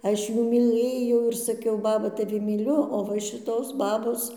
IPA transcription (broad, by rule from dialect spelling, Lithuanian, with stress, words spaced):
ˈɐʃ ˈjuː mʲiːˈlˠɘjɛʊ ɪr sɐˈkʲɛʊ ˈbɑːbɐ tɐˈʋʲɪ mʲiːˈlʲʊ oː ˈʋɐ ʃʲɪˈtoːs ˈbɑːboːs